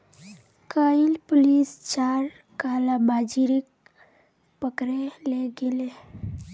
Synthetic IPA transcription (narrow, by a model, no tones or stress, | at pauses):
kaːɪlpʊliːst͡ʃaːɾ | kaːlamaːd͡ʒiɾɪk̚ | pəkɾeleɡɪle